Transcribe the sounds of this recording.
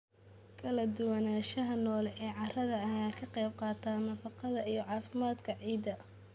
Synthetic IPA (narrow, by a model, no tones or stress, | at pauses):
kʰɐlɐd̪ʊwɐnaːʃɐɦɐnɔːlɛʔɛːʕɑrɐðɐɐjaːkʰɐqɛjb̚qɑːt̪ʰaːnɐfɑqɑðɐijɔʕɑːfɪmaːd̪kʰɐʕiːd̪ɐ